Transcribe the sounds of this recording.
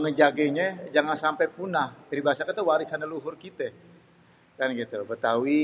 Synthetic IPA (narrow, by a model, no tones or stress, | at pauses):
ŋəd͡ʒaɡɛɲɛd͡ʒaŋansampɛjpunahkiɾibaasakat̪əwaɾisanəluɦʊrkit̪ɛ | kanɡit̪ubət̪auwi